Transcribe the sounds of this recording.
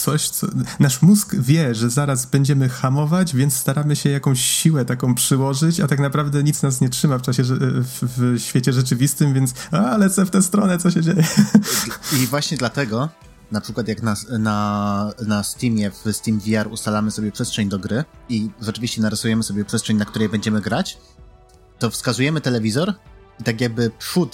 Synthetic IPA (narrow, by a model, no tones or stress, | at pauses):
t̪sɔɕt̪sɔ̰naʂmuskvʲjɛʐɛzaɾazbɛɲd͡ʑɛmɘxamɔvad͡ʑvʲjɛnt̪st̪aɾamɘɕɛjakɔ̃w̃ɕɕiwɛt̪akɔ̃w̃pʂɘwɔʐɘt͡ɕat̪aknapɾavd̪ɛɲit̪snas̬ɲɛtʂɘmaft͡ʂaɕɛfvɕfʲjet͡ɕɛʐɛt͡ʂɘvʲist̪ɘmvʲjɛnt̪salɛt̪sɛft̪ɛst̪ɾɔnɛt̪sɔɕɛd͡ʑejɛ | ivwaɕɲɛd̪lat̪ɛɡɔ | napʂɘkwat̪jaknananast̪imʲjɛvst̪imvʲiaɾust̪alamɘsɔbʲjɛpʂɛstʂɛɲd̪ɔɡɾɘiʐɛt͡ʂɘvʲiɕt͡ɕɛnaɾasujɛmɘsɔbʲjɛpʂɛstʂɛɲnak̚t̪uɾɛjbɛɲd͡ʑɛmɘɡɾat͡ɕ | t̪ɔfskazujɛmɘt̪ɛlɛvʲizɔɾ | it̪ak̬jaɡ̚bɘpʂut̪